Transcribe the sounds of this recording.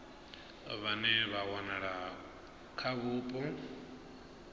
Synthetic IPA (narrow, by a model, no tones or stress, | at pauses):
βanɛβawanaɺa | kʰaβupʼɔ